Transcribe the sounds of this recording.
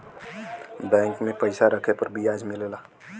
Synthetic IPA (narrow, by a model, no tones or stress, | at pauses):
bɛ̃ːŋkmẽpəɪsaɾəkʰepəɾbʱiaːd͡ʒmɪlelaː